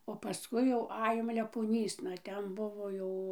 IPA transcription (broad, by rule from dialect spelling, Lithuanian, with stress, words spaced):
oː pɐˈskʊɪ jɛʊ ˈɑːjoːm lʲɛpoːˈnʲiːsnɐ ˈtʲɛn ˈbʊʋoː jɛʊ